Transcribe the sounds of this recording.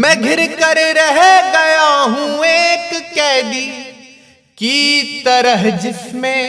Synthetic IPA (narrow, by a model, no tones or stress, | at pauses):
mɛ̃ːɡʱɪɾkɐɾɾɐɦeɡɐjaɦũeːkkɛːd̪iː | kit̪ɐɾəɦd͡ʒɪsmẽ